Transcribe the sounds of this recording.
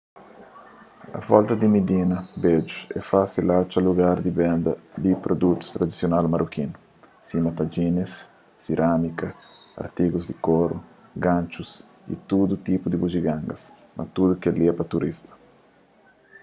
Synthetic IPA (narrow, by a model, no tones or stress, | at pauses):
ɐ̰fɔlt̪ɐd̪imid̪inɐbed͡ʒuɛfasilat͡ʃaluɡaɾd̪ibɛnd̪ɐd̪ipɾod̪ut̪u̥st̪ɾad̪isjonalmaɾʔukinʊ | simat̪ad͡ʒinesː | iɾʔamikɐa̰ɾt̪iɡuzd̪ikoɾu | ɡãnt͡ʃus | ḭt̪ud̪ut̪ipud̪ibud͡ʒiɡãŋɡɐs | mʔa̰t̪ud̪ukɛliɐpɐt̪uɾʔist̪ɐ̥